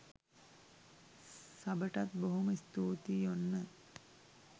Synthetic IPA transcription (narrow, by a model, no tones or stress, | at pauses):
sabəʈat̪̚boɦuməist̪uːt̪ijonːə